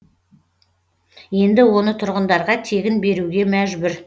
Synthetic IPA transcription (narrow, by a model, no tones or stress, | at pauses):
je̞nd̪ɪwo̞nət̪ʰʊɾʁənd̪ɑɾʁɑt̪ʰe̞ɡʲɪnbe̞ɾuɡʲe̞mæʒbɪɾ